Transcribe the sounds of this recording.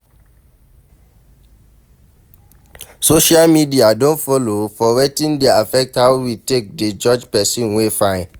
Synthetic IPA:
soʃalmidiadõntfɔlofɔwetĩndeafɛk̚thawwitek̚ded͡ʒɔd͡ʒpɛsĩnwefãɪ̃n

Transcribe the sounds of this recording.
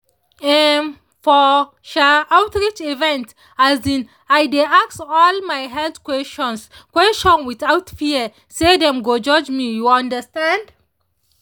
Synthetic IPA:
ɛ | fɔ | ʃaawtɹit͡ʃivɛ̃nt | azĩn | ajdeaksɔlmajɦɛltkwɛst͡ʃɔ̃nskwɛst͡ʃɔ̃nwitawtfiə | sedɛ̃mɡod͡ʒɔd͡ʒmijuãndəstãnd

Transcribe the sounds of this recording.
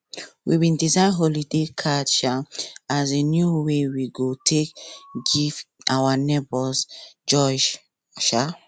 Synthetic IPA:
wibĩndizãɪ̃nɦɔlidekʰadt͡ʃʃaazenjuwewiɡotʰekɡivʔawanebɔsd͡ʒɔd͡ʒ | ʃa

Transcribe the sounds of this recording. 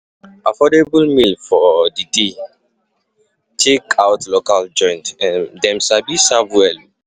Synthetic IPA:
afɔdebulmilfɔdide | tʰekʰawtʰlokald͡ʒɔ̃ɪ̃ntɛ̃ndɛ̃msabisavwɛl

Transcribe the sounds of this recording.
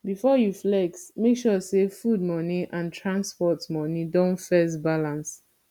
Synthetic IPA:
bifɔjuflɛksmekʃɔsefud̚mɔniʔãntʰɹãnspɔtmɔnidõnfɛsbalãns

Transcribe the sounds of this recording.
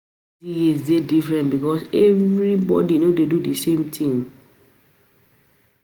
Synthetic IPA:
iezdedifɹɛ̃ntbikɔsɛvɹibɔ̰dinodedudisẽmtʰĩŋ

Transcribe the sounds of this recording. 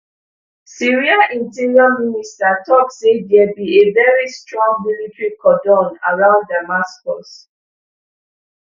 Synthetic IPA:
siɹiaʔĩntiɹiaministatʰɔksedɛbievɛɹistɹɔ̃ŋmilitɹikɔdɔ̃na̰ɹãʊ̃nddamaskɔs

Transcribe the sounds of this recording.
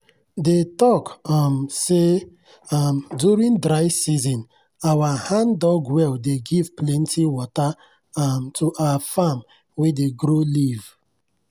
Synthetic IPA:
detɔkmse | mdjuɹĩndɾaɪsizɔ̃n | awahãndɔɡwɛldeɡivplɛ̃ntʰiwɔta | mtʰuʔawafam | wedeɡɾoliv

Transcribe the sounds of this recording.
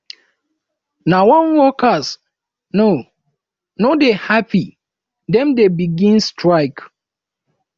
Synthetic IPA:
nawɔ̃nwɔkas | no | nodehapʰi | dɛ̃mdebiɡĩnstɹaɪk

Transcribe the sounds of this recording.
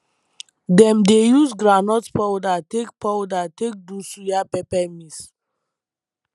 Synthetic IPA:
dɛ̃mdejusɡɾanɔtpɔwdatek̚pawdatek̚dusujapɛpɛmis

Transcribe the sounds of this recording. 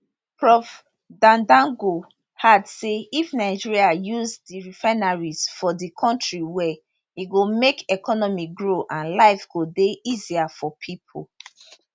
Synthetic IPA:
pɹɔf | dãndãŋɡo | hadseifnaɪd͡ʒiɹiajuzdiɹifanaɹiz̥fɔdikʰɔ̃ntɹiwɛ | iɡomekɛkʰɔnɔmiɡɹoʔãnlaɪfɡodeʔiziafɔpʰipʰo̰

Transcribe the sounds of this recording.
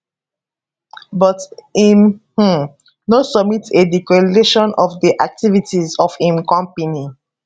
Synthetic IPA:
bɔtimh̩ | nosɔbmitedikedeʃɔ̃nɔfdiʔak̚tivitizɔfĩmkɔ̃mpani

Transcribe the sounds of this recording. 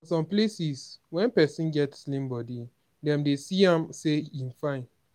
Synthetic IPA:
sɔ̃mplesiswɛ̃npɛsĩnɡɛtslĩmbɔdi | dɛ̃mdesiãmseĩmfãɪ̃n

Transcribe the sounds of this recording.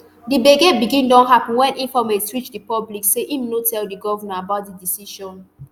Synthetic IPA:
dibeɡebiɡĩndɔ̃nɦapɔ̃nwɛ̃nʔĩfɔmeswit͡ʃdipɔblikseʔimnotʰɛldiɡɔvanaabaʊt̚didisiʃɔ̃n

